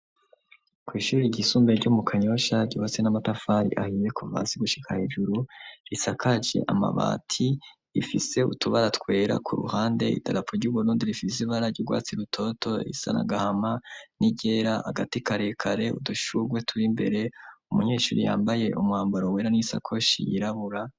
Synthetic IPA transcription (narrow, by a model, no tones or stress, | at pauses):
kwiːʃuːɾiɟisuːmbeɾɟumukʰaɲo̞ʃaɟiβat͡senamatafaːɾḭʔahiːje̞kuva̰ːsiɡuʃi̥kʰaheʒuɾuɾisakʰad͡ʒḛʔa̰ma̰βa̰ːtʰi | ifise̞utuβaɾatwe̞ːɾa̰kʰuɾṵhaːnde̞ḭtʰaɾapoɾɟuːβuɾuːndiɾifisiβaɾaɟuɡwa̰ːt͡siɾutʰo̞tʰo̞ḭsa̰na̰ɡahamaniɟe̞ːɾaha̰ɡatikaɾe̞kʰaɾe̞ṵduʃuɡwe̞tʰuɾimbe̞̰ɾe̞umuɲe̞ːʃuːɾija̰ːmbaje̞ʔumwaːmbaɾoweːɾanisa̰kʰo̞ʃḭjiɾaβuɾa